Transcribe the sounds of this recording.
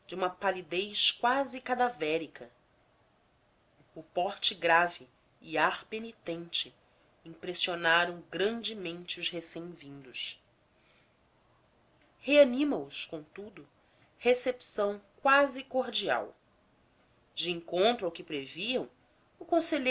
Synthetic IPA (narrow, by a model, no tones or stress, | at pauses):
d͡ʒɪũmɐpalid̪ejʃkwazɪkad̪avɛɾikʰɐ | ʊpɔɾt͡ʃɪɡɾavɪː | aɾpenit̪ẽnt͡ʃɪ | ĩŋpɾesionaɾɐ̃w̃ɡɾɐ̃nd͡ʒɪmẽnt͡ʃɪʊzhesẽj̃vĩnd̪ʊʃ | heanĩmɐʊskõw̃t̪ud̪ʊ | hesepsɐ̃w̃kwazɪkoɾd͡ʒia̰w | d͡ʒɪẽŋkõnt̪ɾʊawkɪpɾeviɐ̃w̃ | ʊkõseʎe